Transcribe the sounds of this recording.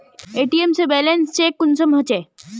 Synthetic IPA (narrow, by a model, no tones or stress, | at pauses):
eːʈiemsebɛːlenst͡ɕeːkːʊnsəmɦət͡ɕeː